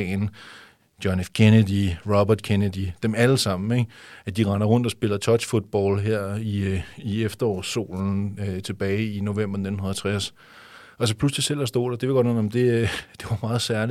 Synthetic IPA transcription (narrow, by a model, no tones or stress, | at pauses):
n | d̥jɒnefkʰenədiʁɒb̥ɐd̥kʰenəd̥id̥emæləsɑ̈m̰n̩eɡ̥æd̥iʁɑ̈nɐʁɔ̽n̰d̥ɒ̽sb̥e̝lɐt͡sʰɒ̥̽ɕfud̥̚b̥ɒːlɦeɐ̰iiefd̥ɐɒ̰ːso̝̰ːln̩t͡sʰe̝b̥ɛːɪino̝ʋem̰b̥ɐne̝dn̩unðɐæɐt͡sʰʁas | ɒls̬ɒ̽pʰluslisel̰æsd̥o̝̰ːd̥ɑɐd̥eʋeɡɒ̽d̥ʋen̩ɒm̩d̥e̝d̥e̝ʋɑ̈mɑ̈ːð̩ˠsæɐli